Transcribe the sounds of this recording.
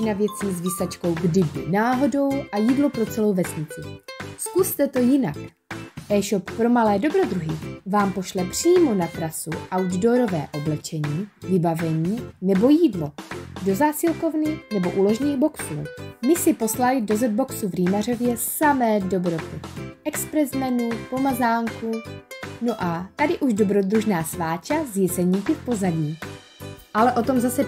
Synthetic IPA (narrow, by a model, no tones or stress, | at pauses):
ɪnavjɛt͡siːzviːsat͡ʃko̞wɡdɪbɪ̰naːɦo̞do̞wʔajiːdlopɾo̞t͡sɛlo̞wvɛsɲɪt͡sɪskust̪ɛt̪o̞jɪnak | ʔɛːʃoppɾo̞malɛːdo̞bɾo̞d̪ɾuɦɪvaːmpo̞ʃlɛpr̝̥iːmo̞nat̪ɾasuʔawddo̞ɾo̞vɛ̰ːʔo̞blɛt͡ʃɛɲiːvɪbavɛɲiːnɛbo̞jiːdlo̞do̞zaːsɪlko̞vnɪnɛboʔulo̞ʒɲiːɣbo̞ksulɛ̰mɪsɪpo̞slalɪdo̞zɛd̪̚bo̞ksuvɾiːmaro̞vjɛsamɛːdo̞bɾo̞t̪ɪʔɛkspɾɛzmɛnupo̞mazaːŋkunoʔat̪adɪʔuʒdo̞bɾo̞d̪ɾuʒnaːsvaːt͡ʃazjɛsɛɲiːkɪfpo̞zaɟiː | ʔalɛʔo̞t̪o̞mzasɛ